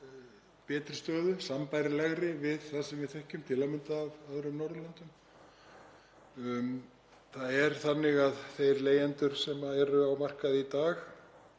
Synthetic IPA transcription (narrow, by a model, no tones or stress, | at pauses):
pɛːt̪ɾɪ̥st̪œːðʏsampajɾɪlɛɣɾɪvɪðθasɛmvɪ̥θɛhcʏmt̪ʰɪlamɪnt̪aːvaðɾʏmnɔɾðʏlant̪ʏm | θaðɛɾ̥θanːɪɣaðθejɾleːjɛnt̪ʏɾ̥sɛmaɛɾʏawmar̥kaðit̪aːx